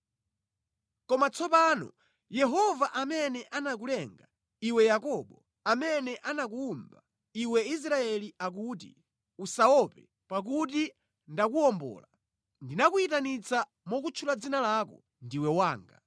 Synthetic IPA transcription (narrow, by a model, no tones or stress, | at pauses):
kɔmat͡sɔpaːnɔ̰ | jɛɦɔvaʔamɛnɛʔanak̬ulɛŋɡa | iwɛjakɔɓɔ | amɛnɛʔanak̬uːmba | iwɛis̬ɾaɛliak̬utḭ | usaɔpɛ | pak̬ut̬i | ndakuɔmbɔ̰ːla | ndinakuitanit͡sa | mɔkut͡ʃʰulad͡zinalaːkɔ̰ | ndiwɛwaːŋɡa̰